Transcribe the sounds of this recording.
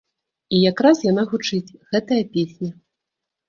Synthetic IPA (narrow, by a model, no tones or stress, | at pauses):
ijakɾasjanaɣut͡ʂɨt͡sʲɣɛt̪ɐjɐpʲesʲnʲɐ